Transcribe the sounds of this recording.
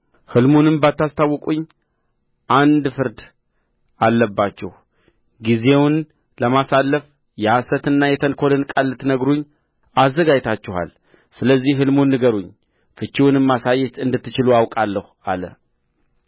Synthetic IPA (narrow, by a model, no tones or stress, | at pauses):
hɨlmunɨmbat̪ːast̪ʰawːɔkʼuɲː | ʔand̪fɨɾd̪ | alːəbːat͡ʃːɛh | ɡize̞wn | ləmasalːəf | jɛasət̪ɨnːajɛt̪ʰənkʰo̞lɨnkʼalːɨt̪nəɡɾuɲː | azːəɡad͡ʒt̪ʰat͡ʃːɛha̰l | sɨləzːihɦɨlmunːɨɡəɾuɲː | fɨt͡ʃːiwnɨmːasajːɛt̪ɨnd̪ɨt̪ːɨt͡ʃɪluawkʼalːəh | alə̰